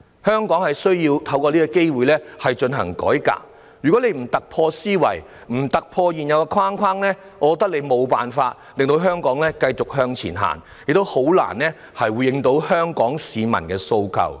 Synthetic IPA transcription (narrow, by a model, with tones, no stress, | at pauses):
hœː˥ŋkɔː˨˥ŋhɐ˨jsɵ˥ɥjiː˧wt̪ʰɐ˨˧˥wkɔː˧liː˥kɔ˧ke˥jwuː˨jlɛː˥hɐ˨jt͡ʃɵ˧nɦɐ̰˨˩ŋkɔ̰ː˨˥jka̰ː˧k̚ | jy˨kɔː˨˥le˨˧jm̩˨˩t̪ɐ˨k̚pʰɔː˧siː˥wɐ̰˨˩j | m̩˨˩t̪ɐ˨k̚pʰɔː˧jiː˨˩njɐ˨˧wkɛ˧kʰwaː˥ŋkʷʰwaː˥ŋlɛː˥ | ŋɔː˨˧kɔː˨˧˥t̪ɐ˥k̚le˨˧jmo˨˧wpaː˨nfaː˧t̚lɪ˨ŋt̪o˧wɦœː˥ŋkɔː˨˥ŋlɛː˥kɐ˧jt͡sʊ˨k̚hœː˧ŋt͡sʰḭː˨˩nɦa̰ː˨˩n | jɪ˨k̚t̪o˥who˨˥wla̰ː˨˩nlɛː˥ | hɐ˨jwuː˨˧jːɪ˧ŋt̪o˨˧˥whœː˥ŋkɔː˨˥ŋsiː˨˧mɐ̰˨˩nkɛː˧so˧wkʰɐ̰˨w